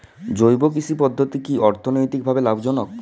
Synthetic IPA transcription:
d͡ʑojbok̬it͡ɕʰipɔd̪ʱːot̪ikiɔɾt̪ʰonojt̪ik̚bʱabelabd͡ʑɔnok̚

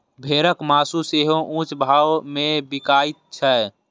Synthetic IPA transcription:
bʱeːɾəkmaːsuseːɦõʔũːt͡ʃbʱaːmẽbɪkaːɪt̪̚t͡ʃʰɛː

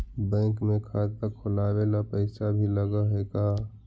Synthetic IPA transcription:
bɛ̃ːkmẽkʰaːt̪əkʰolaːwelapəɪsabʱiləɡəɦeka

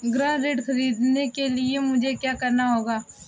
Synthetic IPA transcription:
ɡɾãːɾeːɖxɐɾiːd̪nekeliemʊd͡ʒʱekjaːkɐɾnaɦoːɡaː

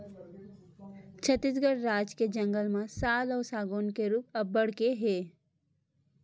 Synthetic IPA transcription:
t͡ʃʰət̪ːisɡəɽɾaːd͡ʒked͡ʒə̃ŋɡəlmãsaːlɔːsaːɡoːnkeɾuːp̚əbəɽ̤keɦeː

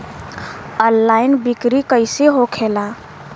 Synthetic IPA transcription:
ənːaɪnbikɾikəɪseɦokʰela

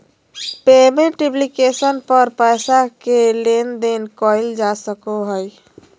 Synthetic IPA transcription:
pemeʈɾiplikesənpəɾpəjsakelend̪enkɔjld͡ʒasəkoɦəj

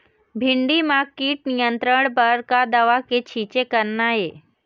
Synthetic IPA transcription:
bʱɪɳɖimakiːʈ̚nijənt̪ɾəɽ̃bəɾkad̪əʋaket͡ʃʰiːt͡ʃekəɾnaɦeː

